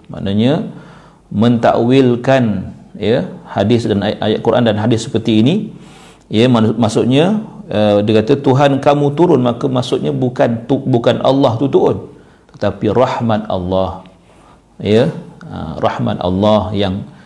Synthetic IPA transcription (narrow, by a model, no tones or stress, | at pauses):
ma̰ʔnaɲə̃ | mə̃nt̪a̰ʔwɪlkanjəhadɪsdana̰jaʔ̪̚kuɾʔa̰ndanɦadɪsːə̥pərt̪iːni | jəmmasʊt̪̚ɲãədikat̪ət̪uɦankamũt̪uɾʊnmakəmaʔsʊt̪̚ɲabukant̪ubukanʔɑ̰lːɑht̪ut̪uɾʊn | t̪ə̥t̪apirɑhmat̪̚ɑ̰lːɑh | jəə̰rɑ̰hma̰t̪a̰lːɑhjaŋ